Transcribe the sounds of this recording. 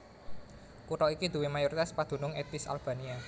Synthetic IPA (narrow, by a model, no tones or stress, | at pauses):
kuɾɔikid̪̥ṳwemajuɾit̪aspad̪̥ṳnʊŋet̪ɪsa̰lb̥a̤nia